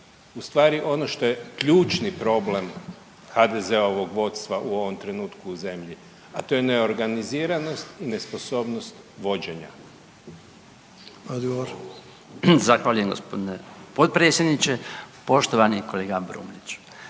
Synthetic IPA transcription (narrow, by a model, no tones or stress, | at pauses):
ust̪ʋaːɾiʔo̞no̞ʃt̪o̞jekʎuːt͡ʃnipɾo̞ble̞m | xad̪ezeao̞ʋo̞ɡʋo̞t̪st̪ʋaʔuo̞ʋo̞mt̪ɾe̞nuːt̪kuːze̞mʎi | at̪o̞jeneo̞ɾɡaniziːɾano̞st̪ine̞spo̞so̞ːbnost̪ | ʋo̞d͡ʑe̞ɲa̰ | od̪ɡoʋoɾ | zaxʋaːʎuje̞mɡo̞̰spod̪inepot̪̚pɾetsjed̪nit͡ʃepo̞ʃt̪oʋanikoleːɡabɾṵːmlit͡ʃ